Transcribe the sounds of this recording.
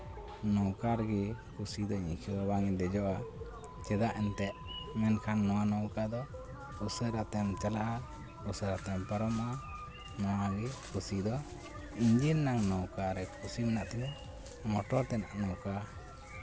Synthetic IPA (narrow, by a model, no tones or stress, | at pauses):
nɔwkaɾɡɛkusid̪ɔiɲsud̪ɔbaŋid̪ɛd͡ʒɔʔa | t͡ʃɛd̪aʔɛnt̪ɛʔmɛnkʰanːɔwanɔwkad̪ɔ | usəɾat̪ɛmt͡ʃalaʔa | usəɾat̪ɛmpəɾɔma | nɔwaɡɛkusid̪ɔ | iɲd͡ʒinnaŋnɔwkaɾɛkʰusimɛnaʔt̪ɛna | mɔʈɔɾt̪ɛnaʔnɔwka